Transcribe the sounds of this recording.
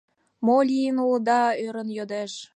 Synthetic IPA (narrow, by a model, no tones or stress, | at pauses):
molʲijənuld̪ɑøɾə̆njod̪eʃ